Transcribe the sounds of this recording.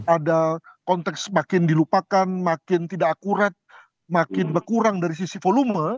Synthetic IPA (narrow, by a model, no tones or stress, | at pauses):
adakɔnt̪ɛksmakɪndilupakanmakɪnt̪idaakuɾat̪̚ | makɪnbərkuɾaŋdaɾis̬isifolumə